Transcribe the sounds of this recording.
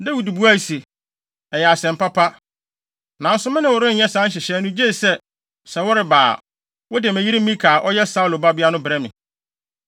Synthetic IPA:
da˦wi˨du˨bu˦a˦˨si˨ | ɛ˨jɛ˨a˨sɛ̃˨m̩˨pa˦pʰa˦ | nã˨n̩˦sʊ˦mɪ̃˦nɪ̃˦˨wʊ˨ɾɪ̃˦n̩˦jɛ˦sã˦n̩˦ɕ̬ɪ˨ɕɛ˦nʊ̃˦d͡ʑe˦˨sɛ˦ | sɛ˨wʊ˦ɾɪ˨ba̰ː˨ | wɔ˦dɪ˨mæ̃˨ji˦ɾi˦m̩˦ĩ˦kʰaː˨ʔɔ˦jɛ˦sa˦u˨lo˨ba˦bi˦a˦nʊ̃˦bɾɛ˦mɪ̰̃˨

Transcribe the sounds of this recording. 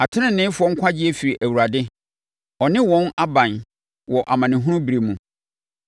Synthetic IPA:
a˨tʰɪ̃˦nɪ̃˨nːɪ̃˦fʊ˦ɔ˦ŋ̩˦kʷʰa˦d͡ʑɪ˦ɛ˦fi˨ɾi˨ʔæ˨wu˨ɾa˨dɪ˦ | ɔ˨nɪ̃˦wɔ̃˦na˦bã˨n | wɔ˨ʔa˨mã˨nɪ̃˨ɦũ˦ʊ̃˦bi˨ɾe˨mũ˨

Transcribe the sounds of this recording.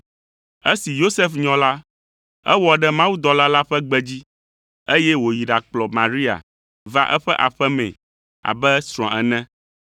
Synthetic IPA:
e˦si˨jo˦se˦fɲɔ̃˨la˦ | ɛ̰˦wɔ˨ɖɛ˦mã˦wu˦d̪ɔ˦la˦la˦ɸɛ˦ɡ͡bɛ˦d͡ʑi˦ | e˦jɛ˦wo˨ji˨ɖa˨k͡plɔ˨mã˨ɾi˦a̰˨ | va̰˦ʔɛ̰˦ɸɛ˦ʔa̰˨ɸɛ˦mɛ̃˨ | a̰˨bɛ˦sɾ̃ɔ̃˨ɛ˨nɛ̃˦

